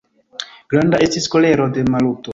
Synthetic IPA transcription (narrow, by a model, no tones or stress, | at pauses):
ɡ̥ɾandaʔe̞stisko̞le̞ɾo̞de̞maluto